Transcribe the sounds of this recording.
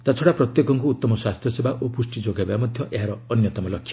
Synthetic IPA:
t̪at͡ʃʰɔɽapɾɔt̪jekɔŋkuːt̪ːɔmɔswast̪ʰjɔsebaʔopusʈid͡ʒoɡabamɔd̪ʱjɔʔeɦaɾɔːnjɔt̪ɔmɔlɔkʰːjḁ

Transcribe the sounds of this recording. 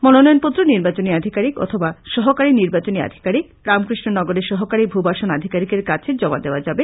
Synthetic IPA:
mɔnonɔjonpot̪ːɾoniɾbat͡ɕoniad̪ʱikaɾikɔ̰t̪ʰobaʃɔɦokaɾiniɾbat͡ɕonia̰d̪ʱi̥kaɾi | ɾamkɾiʃnonɔɡoɾeɾʃɔɦokaɾibʱubaʃonad̪ʱikaɾikeɾkat͡ɕʰed͡ʑɔma̰d̪eoad͡ʑabe

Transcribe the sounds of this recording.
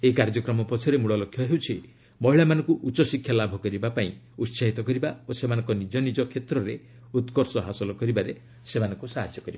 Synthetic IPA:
eikaɾd͡ʒɔkɾɔmɔpɔt͡ʃʰɔɾemuɭɔlɔkʰjɔɦewt͡ʃʰi | mɔɦiɭamanɔ̃ŋkuʔut͡ʃɔsikʰːjalabʱɔkɔɾibapaĩ | ut̪saɦit̪ɔkɔɾibaosemanɔ̃ŋkɔnid͡ʒɔnid͡ʒɔkʰet̪ɾɔɾe | ut̪kɔɾsɔɦasɔlɔkɔɾibaɾe | semanɔ̃ŋkusaɦad͡ʒjɔkɔɾiba

